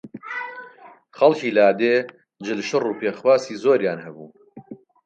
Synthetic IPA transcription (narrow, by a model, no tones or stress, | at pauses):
χɐlciːlaːd̪eː | d͡ʒɨlʃɨruːpʰeːxwaːsiːzoːɾjaːnhɐbuː